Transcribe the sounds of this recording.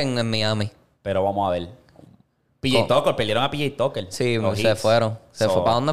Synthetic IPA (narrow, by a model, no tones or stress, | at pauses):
eŋemmːiami | peɾoβamohaβel | piʝejt̪okolpeɾld̪jeɾoŋapiʝejt̪okelsisefweɾoŋsefwepaðond̪e